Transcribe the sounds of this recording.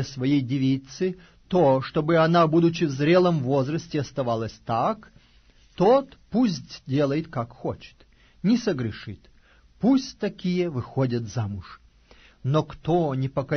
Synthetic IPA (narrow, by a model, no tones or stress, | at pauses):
esvɐjejdʲɪvʲit̪sɨ | t̪oʂt̪obɨɐnabud̪ʊt͡ɕɪvzɾʲe̞lˠəmvo̞zrəsʲtʲɪɐst̪ɐvalˠəsʲt̪ak | t̪ot̪pusʲtʲdʲe̞lˠəjɪt̪kakxot͡ɕɪ̥t̪ | nʲɪsəɡɾʲɪʂɨt̪ | pusʲtʲt̪ɐkʲijəvɨxodʲɐt̪zamʊʂ | nokt̪onʲɪpəkɐ